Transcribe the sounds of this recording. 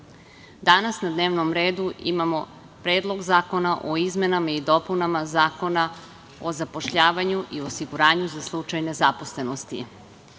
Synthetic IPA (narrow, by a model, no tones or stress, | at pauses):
d̪anasnad̪neːʋnomɾe̞ːd̪uʔḭmamo̞ | pɾeːd̪lˠo̞ɡzaːko̞naʔoizme̞namaid̪o̞punamazaːko̞na | ozapo̞ʃʎaːʋaɲuʔiosiɡuɾaːɲuzaslˠut͡ʃajne̞zaposle̞no̞st̪ḭ